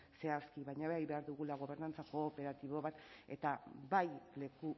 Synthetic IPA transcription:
se̞askiβajɲaβe̞ajβe̞aɾðuɣulaɣ̞o̞β̞e̞ɾnant͡sako̞ːpe̞ɾat̪iβ̞o̞βat̪e̞t̪abajle̞ku

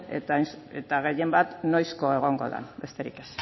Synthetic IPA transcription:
ḛt̪nset̪aɣ̞e̞je̞mbat̪nojsko̞e̞ɣ̞o̞ŋɡo̞̰ða̰nbe̞st̪e̞ɾḭke̞s

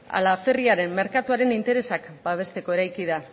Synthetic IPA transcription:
a̰lafe̞riaɾe̞mːe̞ɾkat̪uaɾe̞nint̪e̞ɾe̞sakbaβ̞e̞st̪e̞ko̞e̞ɾajkið̞a

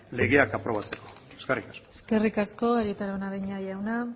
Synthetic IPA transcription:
le̞ɣe̞akapɾo̞β̞at͡se̞ko̥eskerikaskoe̥ske̞rikasko̞eɾit̪aɾaonaβeɲajawna

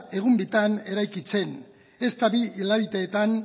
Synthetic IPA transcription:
e̞ɣ̞umbit̪ane̞ɾajkit͡se̞n | e̞st̪aβiilaβit̪e̞ːt̪an

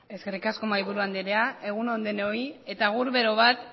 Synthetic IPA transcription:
e̞ske̞rikasko̞maiβuɾuand̪eɾeae̞ɣunond̪eneo̞je̞t̪aɣ̞uɾβe̞ɾo̞β̞at̪

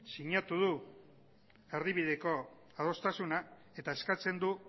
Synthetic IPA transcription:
siɲat̪uð̞u | e̞ɾðiβið̞e̞ko̞ | aðo̞st̪asuna | e̞t̪aeskat͡se̞nd̪u

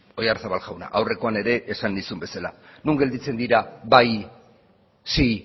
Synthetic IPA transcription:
o̞jaɾsaβalɣawna̰ʔawre̞ko̞ane̞ɾe̞ʔːsanːisumbe̞salanuŋɡe̞ld̪it͡se̞nd̪iɾaβaj | si

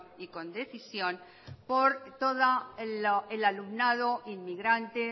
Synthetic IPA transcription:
iko̞nd̪eθisjo̞n | poɾt̪oða | elalumnaðo̞ʔinmiɣɾant̪e

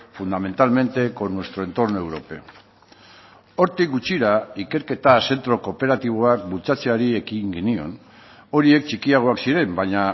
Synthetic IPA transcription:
fund̪ame̞nt̪alme̞nt̪e̞ko̞nwe̞st̪ɾo̞e̞nt̪o̞rno̞e̞wɾo̞pe̞o | o̞ɾt̪ik̚ɡut͡ʃiɾaike̞ɾke̞t̪ase̞nt̪ɾo̞ko̞pe̞ɾat̪iβ̞o̞ak̚bult͡sat͡se̞aɾie̞kiŋɡenio̞n | o̞ɾie̞kt͡ʃikiaɣ̞o̞aksiɾe̞mbaɲa

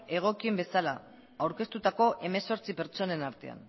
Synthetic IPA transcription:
e̞ɣ̞o̞kie̞mbe̞sala | awɾke̞st̪ut̪ako̞ʔe̞me̞so̞ɾt͡sipe̞ɾt͡so̞ne̞naɾt̪e̞̰a̰n

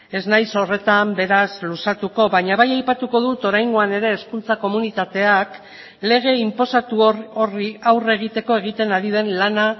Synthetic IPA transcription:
e̞znajso̞re̞t̪ambe̞ɾazlusat̪uko̞βaɲaβajajpat̪uko̞ðut̪o̞ɾajŋɡo̞ane̞ɾe̞ːskult͡sako̞munit̪at̪e̞ak | le̞ɣ̞e̞impo̞sat̪uoriawre̞ɣ̞it̪e̞ko̞e̞ɣ̞it̪e̞naɾið̞e̞nlana

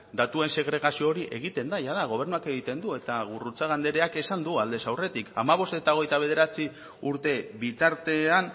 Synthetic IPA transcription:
d̪at̪ue̞nse̞ɣ̞ɾe̞ɣ̞asio̞ːɾiʔe̞ɣ̞it̪e̞nd̪aʝaðaɣ̞o̞β̞e̞ɾnuake̞ɣ̞it̪e̞nd̪ue̞t̪aɣurut͡saɣ̞and̪e̞ɾe̞ake̞sand̪uald̪e̞sawre̞t̪ika̰maβ̞o̞st̪e̞t̪ao̞ɣ̞e̞jt̪aβ̞e̞ð̞e̞ɾat͡si | uɾt̪e̞βit̪aɾt̪e̞an

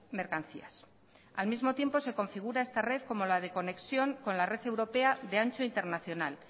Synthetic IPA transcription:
me̞ɾkan̟θḭas | almizmo̞t̪je̞mpo̞se̞ko̞ɱfiɣ̞uɾae̞st̪are̞θko̞mo̞lað̞e̞ko̞ne̞ksjo̞ŋko̞nlare̞θe̞wɾo̞pe̞aðe̞ant͡ʃoint̪e̞ɾnaθjo̞nal

